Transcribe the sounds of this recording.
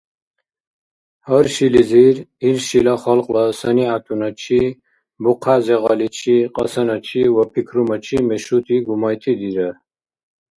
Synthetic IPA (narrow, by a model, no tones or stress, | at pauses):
hɔɾʃiliziɾilʃilaχɔlqʼlasəniat̪ʰunɐt͡ʃʰi | buqʰazeʁɑlit͡ʃʰiqʼə̰sɐnɐt͡ʃʰiwɐpʰikʰɾumɐt͡ʃʰimeʃut̪ʰiɡumɑjt̪ʰid̪iɾə